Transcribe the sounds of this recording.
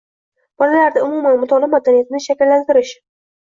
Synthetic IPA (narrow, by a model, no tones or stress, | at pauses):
b̥ɒlalaɾd̪aʊmumanmʊt̪ʰɒlɪmad̪anijat̪ɪnɪʃakʲɪlːant̪ɪɾɪʃ